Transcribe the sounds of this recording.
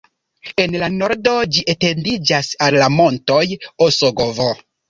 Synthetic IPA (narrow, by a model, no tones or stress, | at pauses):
e̞nlano̞ɾdo̞d͡ʒiʔete̞ndid͡ʒasallamo̞nto̞josoɡovo